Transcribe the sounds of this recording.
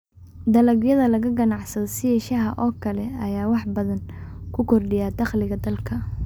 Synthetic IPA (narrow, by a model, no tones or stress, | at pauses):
d̪ɐlɐɡjɐðɐlɐɣɐɡɐnɑʕsɐðɔsɪjɛʃɐɦɐʔɔːkʰɐlɛɐjaːwɑħbɐðɐnkʰʊkʰɔrɖɪjaːd̪ɑχlɪɣɐd̪ɐlkʰɐ